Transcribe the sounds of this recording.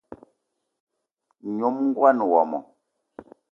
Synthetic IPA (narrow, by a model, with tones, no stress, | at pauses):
ɲo˨˦m˦ŋ˦ɡwa˦n˨wɔ˨mɔ̰˨